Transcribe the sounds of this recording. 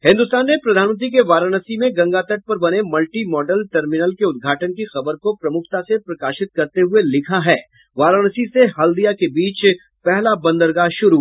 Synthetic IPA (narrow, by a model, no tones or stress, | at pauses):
ɦɪ̃nd̪ʊst̪aːnːepɾɐd̪ʱaːnmə̃nt̪̬ɾik̬eʋaːɾənəsimẽɡɐ̃ŋɡaːt̪əʈ̚pɐɾbɐnemɐlʈimɔːɖəlʈɐɾmɪnəlkeʊd̪ɡʱaːʈənkixɐbəɾkopɾɐmʊkʰt̪asepɾɐkaːʃɪt̪̚kɐɾt̪eɦʊelɪkʰaɦɛː | ʋaːɾənəsiseɦɐld̪ijakebiːt͡ʃ | pɛɦlabɐ̃nd̪əɾɡaʃʊɾuː